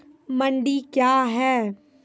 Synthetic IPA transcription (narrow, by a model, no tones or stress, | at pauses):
mɐɳɖikjaːɦɛː